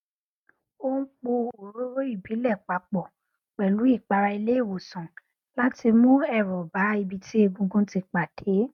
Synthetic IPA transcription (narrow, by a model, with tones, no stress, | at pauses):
o˦n̩˦k͡po˧o˨ɾo˦ɾo˦i˦˨bi˨˦lɛ˦˨k͡pa˧k͡pɔ˨ | k͡pɛ˨lu˨˦i˦˨k͡pa˧ɾa˧i˧le˦i˦˨wo˨sã˨ | la˦ti˧mũ˦ɛ˦˨ɾɔ˨ba˨˦i˧bi˧tʰi˦e˦˧ɡũ˧ɡũ˦ti˧k͡pa˨d̥e˨˦